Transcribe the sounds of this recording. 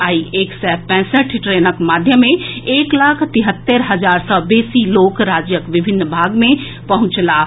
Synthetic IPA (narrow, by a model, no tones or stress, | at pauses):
aːieːksɛpɛ̃ːsəʈʰʈɾenəkmad̪ʱjəmːẽeːklaːkʰt̪iɦət̪ːeɾɦəd͡ʒaːɾsɔbeːsiloːkɾaːd͡ʒjəkʋɪbʱɪnːbʱaɡmẽ | pəɦʊ̃t͡ʃla